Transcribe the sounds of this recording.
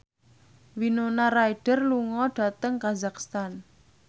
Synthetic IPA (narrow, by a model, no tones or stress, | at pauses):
winonaraiɖ̥ə̤rluŋɔɖ̥a̤t̪əŋkazakst̪an